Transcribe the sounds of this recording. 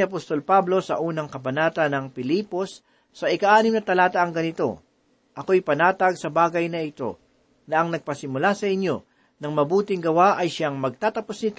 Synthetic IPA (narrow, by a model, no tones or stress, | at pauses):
ɪɐpost̪o̞lpablo̞sɐ̰ʔuːnɐŋkɐbɐnaːt̪ɐnɐŋpɪliːpo̞sː | ɐʔɪkaʔaːnɪmnɐt̪ɐlaːt̪ɐʔɐŋɡɐnɪt̪o̞̰ | ʔɐko̞jpɐnaːt̪ɐɡsɐbaːɡɐjnɐɪt̪o̞̰ | nɐʔɐŋnɐɡ̚pɐsɪmʊlasɐʔɪnjo̞ | nɐŋmɐbuːt̪ɪŋɡɐwaʔɐjʃaŋmɐɡ̚t̪aːt̪ɐposnɪt̪o